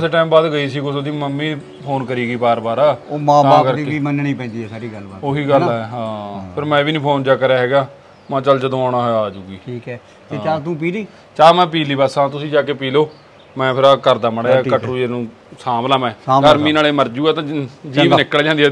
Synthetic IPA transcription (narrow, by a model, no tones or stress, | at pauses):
ɪseʈaːmbaːd̪ɡəiːsiːkʊsoːd̪iːməmːiː | pʰoːnkəɾiːɡiːbaːɾbaːɾaːoːmãːãbaːkəɾd̪iːiːmənɳiːpɛ̃ːnd̪iːɛːsaːɾiːɡəlbaːt̪oːɦiːɡəlaɛɦãːpʰɪɾmɛ̃ːʋiːnĩːpʰoːnd͡ʒaːkəɾjaːɦɛːɡaː | mãːt͡ʃəld͡ʒəd̪õːaːɽaːɦojaaːd͡ʒuːɡiːʈʰiːkɛː | eːt͡ʃaːt̪ũːpiːliː | t͡ʃaːmɛ̃ːp̬iːliːbasãːt̪ʊsĩːd͡ʒaːkeːpiːloː | mɛ̃ːpʰɪɾaːkəɾd̪aːməɽaːaːkəʈɾũːd͡ʒeːnũː | saːmlaːmɛ̃ːəɾmĩːnaːleːməɾd͡ʒuːaːt̪ãːd͡ʒiːʋnɪkːəld͡ʒãːnd̪ɛ